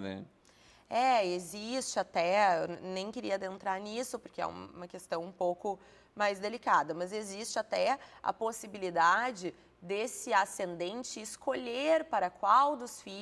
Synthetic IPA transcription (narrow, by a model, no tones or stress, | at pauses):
nɛ̰ | ɛezist͡ʃɪat̪ɛewnẽj̃keɾiɐd̪ẽnt̪ɾaɾnisʊpʊɾkɪɛ̰ṵ̃mũmɐkest̪ɐ̃w̃ũpowkʊ | majzd̪elikad̪ɐmɐzezist͡ʃɪat̪ɛɐ̰posibilid̪ad͡ʒɪ | d̪esɪasẽnd̪ẽnt͡ʃɪːskʰoʎeɾpaɾɐkwawd̪ʊsfi